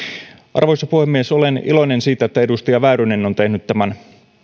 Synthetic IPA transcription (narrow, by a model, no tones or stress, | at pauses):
ʔɑ̰rʋojsɑpuhemːiesolenḭlo̞jnensiːt̪æet̪ːæedust̪ɑjɑʋæːɾøneno̞nt̪e̞hnyt̪t̪æmæn